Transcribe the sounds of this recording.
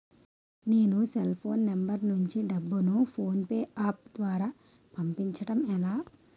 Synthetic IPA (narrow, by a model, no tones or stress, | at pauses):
neːnuselpʰo̞ːnːembɐɾnuɲt͡ʃiɖɐbːunupʰo̞ːnpeːʔaːp̚d̪ʋaːɾaː | pɐmpiɲt͡ʃɐʈɐmɛlaː